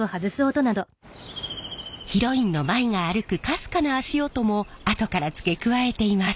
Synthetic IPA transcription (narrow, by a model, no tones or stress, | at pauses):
ohazɨsɨot̪o̞nad̪o̞ | çiɾo̞ĩnːo̞maiŋaːɾɯ̟kɯ̟kasɨ̥kanaːɕio̞t̪o̞mo̞at̪o̞kaɾat͡sɨ̥ke̞kɯ̟βae̞t̪e̞imasɨ̥